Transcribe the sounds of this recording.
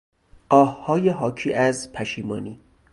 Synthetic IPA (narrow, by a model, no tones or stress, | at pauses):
ʔɒːhhɒːjeɦɒːcʰiːʔæzpʰæʃiːmɒːniː